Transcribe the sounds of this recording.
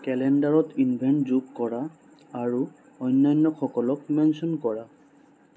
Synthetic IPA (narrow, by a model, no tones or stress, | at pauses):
kɛlɛndaɹɔtinbʱɛɳʈzukkɔɹaː | ɹu | ɔjnːajnːɔkʰɔkɔlɔkmɛnsɔnkɔɹa